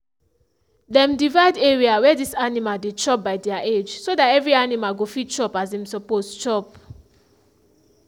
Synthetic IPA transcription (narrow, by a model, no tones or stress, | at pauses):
dɛ̃mdivaɪdɛɹiawɛdisanimaldet͡ʃɔp̚baɪdɛaʔed͡ʒsodatɛvɹianimalɡofit̚t͡ʃɔpazɛ̃msɔpostt͡ʃɔp